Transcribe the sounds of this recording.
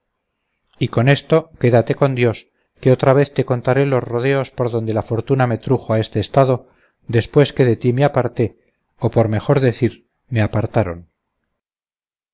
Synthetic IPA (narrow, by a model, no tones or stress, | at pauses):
iko̞ne̞st̪o̞ke̞ðat̪e̞ko̞nd̪jo̞s | ke̞o̞t̪ɾaβ̞e̞θt̪e̞ko̞nt̪aɾe̞lo̞zro̞ð̞e̞o̞spo̞ɾðo̞nd̪e̞lafo̞ɾt̪uname̞t̪ɾuxoae̞st̪eːst̪aðo̞ | ðe̞spweske̞ðe̞t̪imeapaɾt̪e̞ | opo̞ɾme̞xo̞ɾðe̞θiɾ | meapaɾt̪aɾo̞̰n